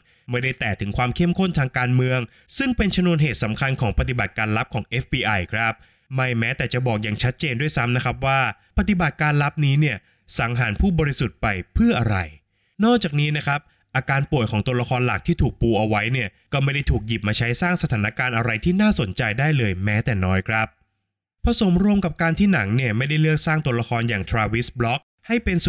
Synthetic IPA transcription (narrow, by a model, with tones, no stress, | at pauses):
ma˥˩jda˥˩jt̪ɛː˨˩t̪ʰɯ˩˦ŋkʰwaː˧mkʰe˥˩˨mkʰo˥˩nt̪ʰaː˧ŋkaː˧nmɯ˧əŋ | sɯ˥˩ŋpe˧nt͡ɕʰa˧mnu˧ənɦeː˨˩t̪̚sa˩˦mkʰa˧nkʰɔː˩˦ŋpa˧t̪̬i˨˩ba˨˩t̪̚kaː˧nla˦˥p̚kʰɔː˩˦ŋʔe˦˥fbiː˧ʔa˧jkʰɾa˦˥p̚ | ma˥˩jmɛː˦˥t̪ɛː˨˩t͡ɕa˨˩bɔː˨˩k̚jaː˨˩ŋt͡ɕʰa˦˥t̪̚t͡ɕeː˧ndu˥˩əjsa˦˥mna˦˥kʰɾa˦˥p̬̚waː˥˩pa˧t̪i˨˩ba˨˩t̪̚kaː˧nla˦˥p̚niː˦˥ni˥˩ə | sa˩˦ŋɦaː˩˦npʰuː˥˩bɔː˧ɾi˧˦su˨˩t̪̚pa˧jpʰɯ˥˩ɐʔa˧ɾa˧j | nɔː˥˩k̚t͡ɕaː˨˩k̚niː˦˥na˦˥kʰɾa˦˥p̚ | ʔaː˧kaː˧npu˨˩əjkʰɔː˩˦ŋt̪u˧əla˧kʰɔː˧nla˨˩k̚t̪ʰiː˥˩t̪ʰuː˨˩k̚puː˧ʔa˧wa˦˥jni˥˩ɐkɔː˥˩ma˥˩jda˥˩jt̪ʰuː˨˩k̚ji˨˩p̚maː˧t͡ɕʰa˦˥jsaː˥˩ŋsa˧t̪ʰaː˩˦na˧˥kaː˧nʔa˧ɾa˧jt̪ʰiː˥˩naː˥˩so˩˦nt͡ɕa˧jdaː˥˩jlɤː˧jmɛː˦˥t̪ɛː˨˩nɔː˦˥jkʰɾa˦˥p̚ | pʰɾa˧so˩˦mɾu˧əmka˨˩p̚kaː˧nt̪ʰiː˥˩na˩˦ŋni˥˩əma˥˩jda˥˩jlɯ˥˩ək̚saː˥˩ŋt̪u˧əla˧kʰɔː˧njaː˨˩ŋt̪ʰɾaː˧wi˦˥sblɔ˦˥k̚ | ha˥˩jpe˧ns